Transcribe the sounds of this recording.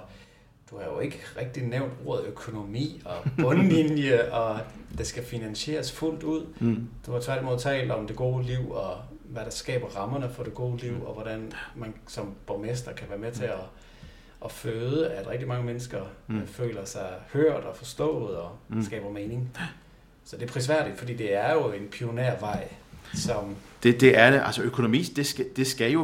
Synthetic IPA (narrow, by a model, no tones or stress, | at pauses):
d̥uhæɐjo̝e̝ɡ̥əʁɛɡ̥̚d̥ineʊ̰nd̥o̝ɐ̰ðˠøkʰo̝no̝mḭːɒ̽b̥ɔ̽nlinjəʔɒ̽d̥e̝sɡ̥æfinænɕe̝̰ːɐsful̰d̥uð̞̰ˠd̥umɒt͡sʰʋæɐɾ̥imo̝ð̰ˠt͡sʰɛ̰ːləɒ̽md̥e̝ɡ̥o̝ːliʊ̰ɒ̽ | ʋæɾ̥ɑ̈sɡ̥ɛ̰ːb̥ɐʁɑ̈mɐnəfɒ̽ɾ̥e̝ɡ̥o̝ːliʊ̰ɒʋɒɾænmænsɒ̽mb̥ɒmesd̥ɐkʰæʋæːɐmet͡sʰe̝ɒ | ʔɒføːðˠəæd̥ʁɛɡ̥d̥imɑ̈ŋəmenəsɡ̥ɐfø̰ːlɐsɑ̈ɪhøɐ̰d̥ɒ̽fɒ̽sd̥ɔ̰̽ːðð̩ˠɒ̽sɡ̥ɛ̰ːb̥ɐmeːne̝ŋ | sɒ̽d̥e̝ɐpʰʁis̬ʋæɐ̰ɾ̥id̥fɒ̽d̥ḭːd̥e̝æɐjo̝e̝npʰioneɐ̰ʋɑ̈ɪ̰sɒ̽md̥ed̥e̝æɐd̥eʔælsəøkʰo̝no̝mḭːsd̥e̝sɡ̥æd̥e̝sɡ̥æjo̝